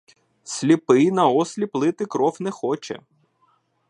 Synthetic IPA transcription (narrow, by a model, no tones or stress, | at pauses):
sʲlʲipɪjnɐɔsʲlʲiplˠɪt̪ɪkɾɔfnɛxɔt͡ʃɛ̰